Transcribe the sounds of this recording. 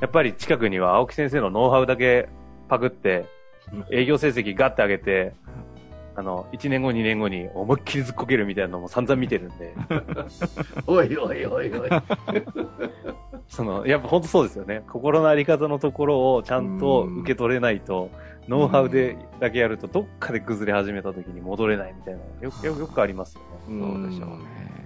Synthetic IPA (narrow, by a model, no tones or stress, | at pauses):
japːaɾʲit͡ɕi̥kakɯ̟ɲ̟iβ̞aːokʲi̥sẽs̬e̞ːno̞no̞ːɦaɯ̟d̪ak̬e̞ | pakɯ̟t̪ːe̞ | e̞ːɡʲo̞ːsẽ̞ːs̬e̞kʲiɡat̪ːe̞aɡe̞t̪e̞ | ano̞it͡ɕinẽ̞ŋɡo̞ɲ̟inẽ̞ŋɡo̞ɲ̟iomɯ̟kʲːiɾʲizɨkːo̞ke̞ɾɯ̟mʲit̪ainanomo̞sãnd͡zãmːʲit̪e̞ɾɯ̟̃nd̪e̞ | oioioioi | so̞no̞̰japːahõ̞nt̪o̞soːd̪e̞sɨjo̞ne̞kʰo̞ko̞ɾo̞noaɾʲikat̪ano̞t̪o̞ko̞ɾo̞ːt͡ɕãnt̪o̞ɯ̟ke̞t̪o̞ɾe̞nait̪o̞ | no̞ːɦaɯ̟d̪e̞ | d̪ak̬e̞jaɾɯ̟t̪o̞d̪o̞kʰːad̪e̞kɯ̟zɨɾe̞haʑime̞t̪at̪o̞kʲiɲ̟imo̞d̪o̞ɾe̞naimʲit̪aina̰jojojo̞kɯ̟aɾʲimasɨjo̞̰nedo̰d̪e̞ɕo̞̰ː